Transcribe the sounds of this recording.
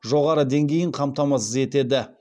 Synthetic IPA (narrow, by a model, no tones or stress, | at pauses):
ʒo̞ʁɑɾəd̪e̞ŋɡʲe̞jɪɴqʰɑmt̪ɑmɑs̬əze̞t̪e̞d̪ɪ